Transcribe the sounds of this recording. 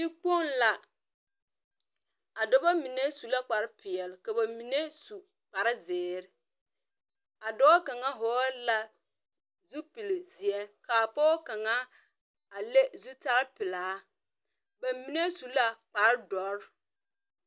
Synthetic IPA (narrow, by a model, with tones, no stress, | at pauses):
bi˦k͡po˦nla˨ | a˨dɔ˦ba˦mi˨ne˦su˨la˦k͡pa˨ɾɪ˦pɪ˨ɛ˨lɪ˨ka˨ba˨mi˨ne˦su˨ | k͡pa˨ɾɪ˦zɪː˨˦ɾɪ˦ | a˨dɔ˦a˦ka˨ŋa˦ɦɔː˨˦la˨ | zu˦pi˨lɪ˨zi˨ɛ˦ka˨pɔː˦ka˨ŋa˦ | a˨le˦zu˦ta˦ɾɪ˦pɪ˨laː˨˦ | ba˨mi˨ne˦su˨la˦k͡pa˨ɾɪ˦dɔ˨˦ɾ